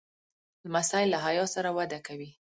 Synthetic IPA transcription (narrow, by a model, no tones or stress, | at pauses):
ləmasɑjɪlːaɦajɑsaɾawad̪akawi